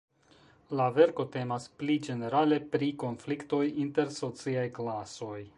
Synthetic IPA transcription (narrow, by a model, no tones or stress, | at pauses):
lave̞ɾko̞te̞masplid͡ʒe̞ne̞ɾale̞pɾiko̞nflikto̞jinte̞ɾso̞t͡siajklaso̞j